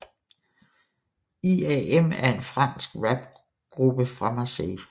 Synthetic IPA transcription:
iɛemæɐe̝nfʁɑn̰sɡ̥ʋæb̥ | ɡ̥ʁub̥əfʁɑmæsḛː

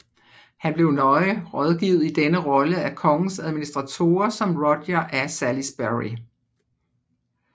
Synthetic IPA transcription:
hænb̥le̝ʊnɒ̽ɪʁɒð̞ˠɡ̥iʊð̩ˠid̥enəʁɒ̽ləækʰɒ̽ŋn̩sæð̞ˠminisd̥ʁɑ̈t͡sʰo̝̰ːɐsɒ̽mʁɒd̥jɐʔæsælisb̥æʁi

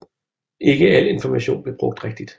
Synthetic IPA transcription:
ʔe̝ɡ̥əæl̰e̝nfɒmæɕo̝̰ːnb̥le̝b̥ʁɔ̽ɡ̥̚d̥ʁeɡ̥̚d̥id̥

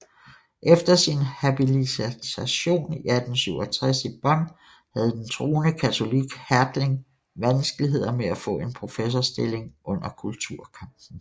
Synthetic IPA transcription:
ʔefd̥ɐsinhæb̥ilit͡sʰæɕo̝̰ːniæd̥n̩syʊ̰ɒt͡sʰʁɛsib̥ɒ̽n̰ | hæð̞̩ˠd̥ent͡sʰʁo̝ːnəkʰæt͡sʰo̝liɡ̥hæɐd̥le̝ŋ | ʋænsɡ̥əliɦe̝ð̞̰ˠɐmeæfɔ̰̽ːe̝npʰʁo̝fes̬ɒsd̥e̝le̝ŋʔɔ̽n̰ɐkʰult͡sʰuɐ̰kʰɑm̰b̥n̩

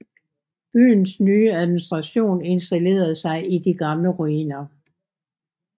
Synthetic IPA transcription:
b̥y̰ːn̩snyːəæðˠminisd̥ʁɑ̈ɕo̝̰ːne̝nsd̥æle̝̰ːɐð̩ˠsɑ̈ɪʔid̥iɡ̥ɑ̈mləʁuiːnɐ

